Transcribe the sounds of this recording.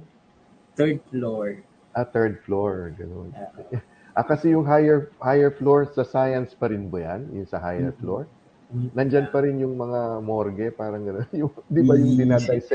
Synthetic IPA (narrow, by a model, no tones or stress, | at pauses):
t̪ɛd̪̚floɹ | ʔat̪ɛɹd̪̚floɹɡɐnon | ʔɐkɐsɛjʊŋɦajɛɹhajɛɹfloɹsɐsaːjɐnspɐɾɪnbɐja̰njʊ̰nsɐhajɛ̰ɹfloɹ | nɐnd͡ʒanpɐɾɪnjʊŋmɐŋamoɾɡɛpaːɾɐŋɡɐnonjʊŋnd̪ɪbɐjʊŋd̪ɪnaːd̪ajsɛ